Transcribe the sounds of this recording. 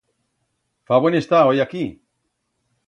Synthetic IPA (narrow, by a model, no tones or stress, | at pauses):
faβwenest̪aojaki